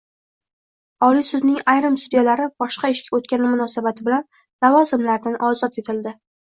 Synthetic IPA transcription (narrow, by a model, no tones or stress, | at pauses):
ɒlijsʊznɪŋajɾɪmsʊd̪ijalaɾɪbɒʃqɑɪʃkʲaot̪̚kʲanɪmʊnɒsabat̪ʰɪbɪlan | lavɒzɪmlaɾd̪anʔɒzɒt̪et̪ʰɪld̪ɪ